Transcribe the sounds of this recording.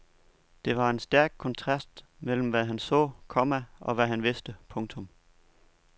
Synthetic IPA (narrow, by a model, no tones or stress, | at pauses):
d̥e̝ʋɑ̈e̝nsd̥æɐɡ̥̚kʰɒ̽nt͡sʰʁɑ̈sd̥mel̰m̩ʋæɦænsɔ̰̽ːkʰɒ̽mæʔɒ̽ʋæɦænʋe̝sd̥əpʰɔ̽ŋt͡sʰɔ̽m